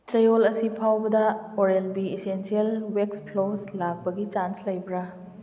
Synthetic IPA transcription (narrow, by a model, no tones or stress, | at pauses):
t͡ʃɐjolɐsipʰawbɐdɐoɾelbiesensielwekspʰloslak̚pɐɡit͡ʃanslɐjbɾa